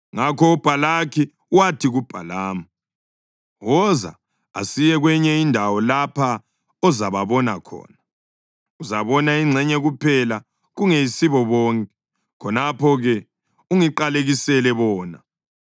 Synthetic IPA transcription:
ŋakʰɔub̥ʱalakʰi | watʰiɣub̥ʱa̰laːma | wɔza̰ | a̰sijɛɣwɛɲɛindʱawɔlapʰa | ɔzaβaβɔnakʰɔ̰ːna | uzaβɔnaiŋ͡ǀʱɛɲɛɣupʰɛla | ɣuŋeisiβɔβɔːŋkʼɛ̥ | kʰɔnapʰɔɣɛ | uŋiǃaleɣisɛlɛβɔːna̰

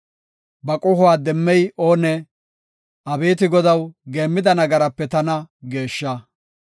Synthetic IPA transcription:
bɐkʼʊhʊwaːd̪ɛmːɛjoːnɛ | ʔɐbeːt̪ɪɡɔd̪ɐwɡeːmːɪd̪ɐnɐɡɐɾɐpːɛt̪ɐnɐɡe̞ːʃːɐ

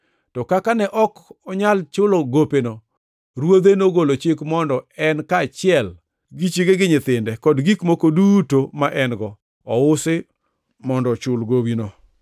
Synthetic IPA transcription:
tɔkakanɛʔɔkɔɲalt͡ʃʊloɡopeno | ɾwod̪enoɡolot͡ʃɪkmɔndɔɛnkaːt͡ʃɪɛl | ɡit͡ʃiɡeɡɪɲɪt̪ɪndɛkɔdɡikmokodutomaʔɛnɡɔː | ʊsɪ | mɔndɔt͡ʃʊlɡowino

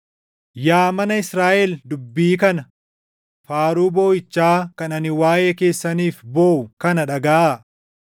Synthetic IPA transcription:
jaːmɐnɐɪsɾaːʔɛld̪ʊbːiːkɐnɐ | faːɾuːbo̞ːjɪt͡ʃːaːkɐnɐnɪwaːjʔe̞ːke̞ːsːɐniːfboːʔʊkɐnɐᶑɐɡaːa

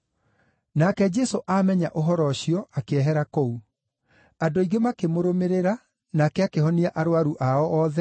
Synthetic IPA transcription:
nakɛd͡ʒɛsoʔamɛɲaʔoɦɔɾɔɕjɔakeɛɦɛɾakɔu | adoiɡemakemoɾomeɾeɾa | nakɛakehɔniaʔaɾoaɾuʔaɔʔɔːðɛ

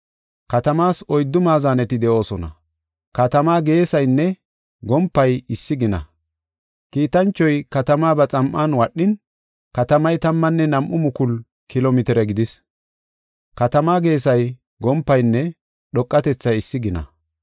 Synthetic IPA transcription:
kɐt̪ɐmaːsɔjd̪ːʊmaːzaːnɛt̪ɪd̪ɛʔo̞ːsɔnɐ̰ | kɐt̪ɐmaːɡe̞ːsɐjnːɛ | ɡɔmpːɐjɪsːɪɡɪnɐ̰ | kiːt̪ɐnt͡ʃːɔjkɐt̪ɐmaːbɐt͡sʼɐmʔːaːnwɐɗːɪn | kɐt̪ɐmɐjt̪ɐmːɐnːɛnɐmʔʊmʊkʊl | kɪlɔmɪt̪ɛɾɛɡɪd̪ɪs | kɐt̪ɐmaːɡe̞ːsɐj | ɡɔmpːɐjnːɛ | ɗɔkʼːɐt̪ɛt͡sːɐjɪsːɪɡɪnɐ̰

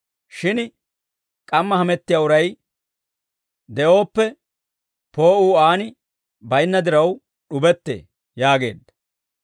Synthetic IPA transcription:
ʃɪn | kʼɐmːɐhɐmɛt̪ːɪjaːʊɾɐj | d̪ɛʔo̞ːpːɛ | poːuːaːnɪ | bɐjnːɐd̪ɪɾɐw | ɗʊbɛt̪ːḛː | jaːɡe̞̰ːd̪ːɐ

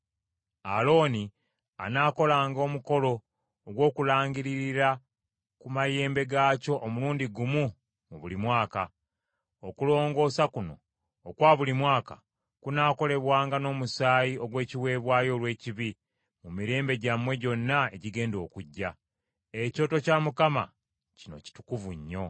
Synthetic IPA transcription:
alo̞ːni | a̰naːko̞laːŋɡo̞muko̞lo̞ː | ɡwo̞ːkulaːɲɡiɾiɾiɾa | kumaje̞ːmbe̞ɡaːco̞ʔomuluːndiɡumu | muβulimwaːka | okulo̞ːŋɡo̞ːsakuno̞̰ː | kwaːβulimwaːka̰ | kunaːko̞le̞βwaːŋɡano̞ːmusaːjiʔo̞ɡwe̞ːciwe̞ːβwaːjo̞ːlwe̞ːciβi | mumiɾe̞ːmbe̞ɟamwe̞ɟo̞nːae̞̰ɟiɡe̞ːndo̞̰ːkuɟːa | eco̞ːto̞camukama̰ | cino̞̰ci̥tu̥kuvuɲːo̞

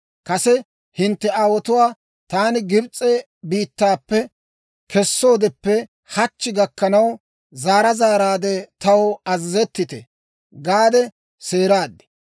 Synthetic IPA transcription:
kɐsɛ | hɪnt̪ːɛaːwɔt̪ʊwaː | t̪aːnɪɡɪbt͡sʼːɛ | biːt̪ːaːpːɛ | kʰɛsːo̞ːd̪ɛpːɛ | hɐt͡ʃːɪɡɐkːɐnɐw | zaːɾɐzaːɾaːd̪ɛt̪ɐwɐzzɛt̪ːɪt̪ɛ | ɡaːd̪ɛ | se̞ːɾaːd̪ːɛ̥

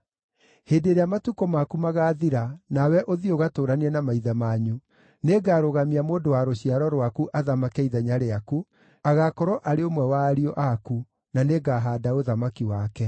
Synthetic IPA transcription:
heːdeɾeamatukɔmakumaɣaːðiɾanawɛʔoðioɣatoːɾaniɛnamaiðamaɲu | neɡaːɾoɣamiamoːndowaɾoɕiaɾɔɾwakuʔaðamakɛiðaɲaɾeaku | aɣakɔɾɔʔaɾeomwɛwaːɾiɔʔaku | naneɡaɦaːdaoðamakiwakɛ

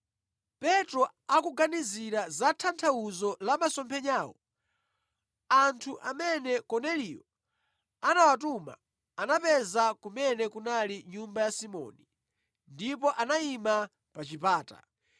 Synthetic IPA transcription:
pɛtɾɔ | akuɡaniziɾazatʰantʰauzɔlamasɔmpʰɛɲaːwɔ | antʰuʔamɛnɛkɔnɛliːjɔ | anawatuma̰ | anapɛzakumɛnɛkunaliɲumbajasimɔ̰ni | ndipɔʔanaima | pat͡ʃipaːta̰

